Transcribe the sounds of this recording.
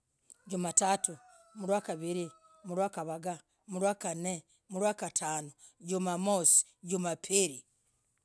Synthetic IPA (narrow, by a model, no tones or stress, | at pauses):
ɟumatatu | muɾwakaβiɾi | muɾwakaβaɡa | muɾwakane | muɾwakatʰaːnoɟumamosi̥ | ɟumapʰiɾi